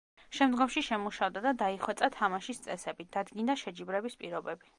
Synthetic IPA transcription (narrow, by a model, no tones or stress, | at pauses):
ʃɛmd̪ɡɔmʃiʃɛmuʃavd̪ad̪ad̪aiχwɛt̪sʼat̪ʰamaʃist̪sʼɛsɛbit̪̚d̪̥ad̪ɡind̪aʃɛd͡ʒibɾɛbispʼiɾɔbɛbi